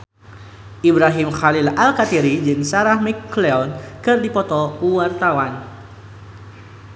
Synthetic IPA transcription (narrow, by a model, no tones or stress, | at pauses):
ʔibɾaɦimxalilalkat̪iɾid͡ʒɨŋsaɾahmikːleɔnkɨrdipɔt̪ɔuwart̪awan